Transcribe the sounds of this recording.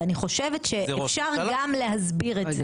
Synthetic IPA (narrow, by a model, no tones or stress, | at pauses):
aniχo̞ʃevetʃeeffʃaʁɡamleɦazbiʁeze